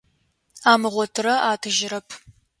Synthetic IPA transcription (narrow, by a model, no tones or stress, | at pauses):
aːmɨʁʷɔtʰɨɾɐʔaːtʰɨʒɪɾɐpʰ